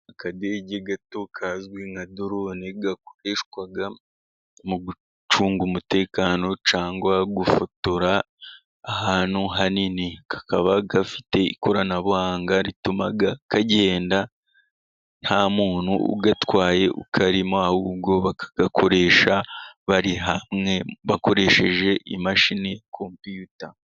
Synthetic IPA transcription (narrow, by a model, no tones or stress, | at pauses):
akadeɟeɡatokʰazwiŋadoɾoneɡak̚oɾeːʃkwaɡa | muɡu | t͡ʃuːŋɡumute̞ːkaːno̞t͡ʃaːŋɡwaɡufutuɾaː | haːn̥huɦaninikḁkaβaɡafi̥te̞ḭkʰo̞ɾanaβuhaːŋɡaɾitumaɡakaɟe̞ːnda | n̥hamuːnhuṵɡatwaːje̞ʔṵkʰaɾimoahub̚ɡo̞βakḁɡ̥akʰo̞ɾe̞ːʃaβaɾiɦamŋe̞βako̞ɾe̞ʃe̞ʒe̞ʔimaʃinejakʰompijuta